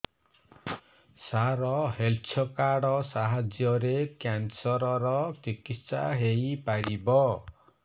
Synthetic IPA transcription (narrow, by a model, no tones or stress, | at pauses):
saɾɔɦelt͡ʃʰɔkaɽɔsaɦad͡ʒjɔɾekjansɔɾɔɾɔt͡ʃikissaɦeipaɾibɔ